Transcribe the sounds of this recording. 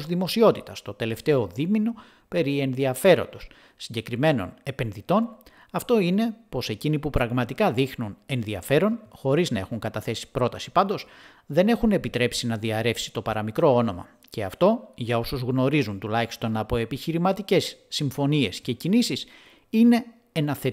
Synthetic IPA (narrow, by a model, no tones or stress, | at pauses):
zðimo̞sio̞t̪it̪ɐst̪o̞t̪e̞le̞ft̪e̞o̞ðimino̞ | pe̞ɾie̞nðiɐfe̞ɾo̞̰nd̪o̞sː | iɲɟe̞kɾime̞no̞̰ne̞pe̞nðit̪o̞n | ɐft̪o̞ine̞po̞se̞cinipupɾɐɣmɐt̪ikɐðixnune̞nðiɐfe̞ɾo̞nxo̞ɾiznɐe̞xuŋkɐt̪ɐθe̞si̥pɾo̞t̪ɐsi̥pɐnd̪o̞s | ðe̞ne̞xune̞pit̪ɾe̞psinɐðiɐɾe̞fsi̥t̪o̞pɐɾɐmikɾo̞ono̞mɐ̰ | ce̞ɐft̪o̞ʝɐo̞suzɣno̞ɾizunt̪ulɐçi̥st̪o̞nɐpo̞e̞piçiɾimɐt̪ice̞sːiɱfo̞nie̞sce̞cinisis | ine̞ | enɐθe